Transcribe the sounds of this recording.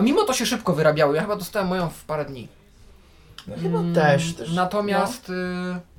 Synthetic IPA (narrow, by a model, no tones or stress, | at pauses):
amʲimɔt̪ɔɕɛʂɘpkɔvɘɾabʲjawɔjaxɘbad̪ɔst̪awɛmːɔjɔ̃w̃fpaɾɛd̪ɲḭ | xɘbat̪ɛʂt̪ɛnat̪ɔmʲjast̪